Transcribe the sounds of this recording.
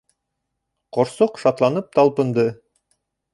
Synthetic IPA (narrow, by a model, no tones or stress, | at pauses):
qʰoɾsoqʃɑt̪lˠɑnɯp̚t̪ʰɑlˠpɤ̆nd̪ɤ